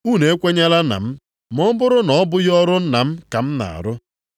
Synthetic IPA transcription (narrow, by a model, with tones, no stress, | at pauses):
u˦˨ne˨e˦kʷe˦ɲa˦la˦na̰˨m̩˦ | m˦ɔ˦bʊ˦ɾʊ˦nɔ˨˦bʊ˦jɔ˦ɾʊ˦n̩˦na˨m̩˦ka˨m̩˦na̰˨a̰˨ɾʊ˦